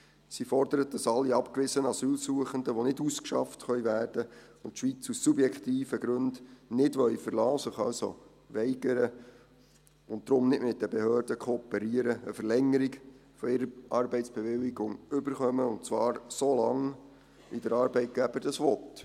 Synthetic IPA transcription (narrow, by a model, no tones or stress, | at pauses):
sifɔɾd̥əɾət̚d̥ɑsɑlːiɑpkʋɪsənɑsyːlsuəχəndəʋonɪduskʃɑ̰ftχœɥʋæːrd̥ə | ʊntʃʋit͡susːubjɛkχtiːfəɡɾɵndnɪdʋœʏfəɾlɑːsəχɑ̰lso̰ | ʋɛɪɡəɾə | ʊnt̚d̥̪ɾʊmnɪʔmɪt̚d̥əbehøːɾdəkʰoːpɛɾiəɾəəfəɾlɛŋːəɾiɡfɔɪɾəʔɑrbɛɪtt͡sb̥ɛʋɪlːɪɡʊŋʏbəɾχœməʊntt͡sʋɑːɾsolɑŋ | ʋidəɾɑːɾbɛɪt̚ɡ̥æb̥əɾd̥ɑsʋɔt